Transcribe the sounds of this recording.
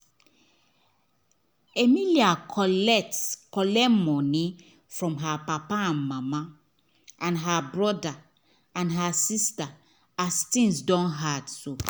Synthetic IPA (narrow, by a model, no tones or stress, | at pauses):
emiliakɛkɔlɛmɔni | fɹɔ̃mɦapapaãnmama | ʔãnɦabɹɔda | ãnɦasista | astĩŋsdɔ̃nɦadso